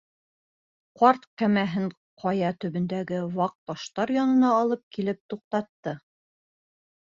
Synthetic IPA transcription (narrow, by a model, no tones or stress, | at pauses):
qɑɾt̪kæmæɦɘɴ | qʰɑjɑt̪ɵ̆βɵ̆nd̪æɡɘwɑq̚bɑʃt̪ɑɾjɒnɤ̆nɑːlˠɤp̚kilɘp̚t̪uq̚t̪ɑt̪ːɤ